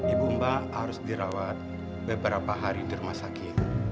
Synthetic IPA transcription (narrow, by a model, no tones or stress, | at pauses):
dibumbahaɾʊsdiɾawat̪̚ | bəbəɾapaɦaɾidirumasakɪt̪̚